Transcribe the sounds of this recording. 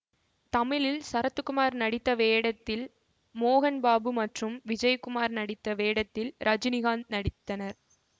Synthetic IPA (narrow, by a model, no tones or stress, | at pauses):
t̪ɐmɪlɪlsɐɾɐt̪ːɯkːʊmaːɾnɐɽɪt̪ːɐʋeːɽɐt̪ːɪl | moːɣɐnbaːbɯmɐʈrɯmʋɪd͡ʒɐjkʊmaːɾnɐɽɪt̪ːɐʋeːɽɐt̪ːɪlɾʔɐd͡ʒɪnɪɣaːnnɐɽɪt̪ːɐnɐɾ